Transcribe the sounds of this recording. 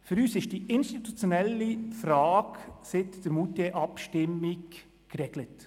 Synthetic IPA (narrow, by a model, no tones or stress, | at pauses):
føɾyːsɪʃd̥iʔɪnʃtit̪ut͡sjonɛlifɾɑːksɪtd̥əɾmuːteʔɑpʃtɪmɪkː | ɾɛɡ̥lət